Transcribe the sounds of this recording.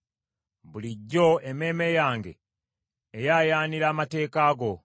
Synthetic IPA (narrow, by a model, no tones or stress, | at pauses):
βuliɟːo̞ʔeme̞ːme̞jaːŋɡe̞̰ː | jaːjaːniɾaːmate̞ːkaːɡo̞